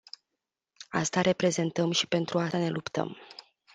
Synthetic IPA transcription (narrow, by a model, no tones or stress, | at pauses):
ast̪aɾʔe̞pɾe̞ze̞nt̪əmʃi̥pe̞nt̪ɾuane̞lupt̪ə̰m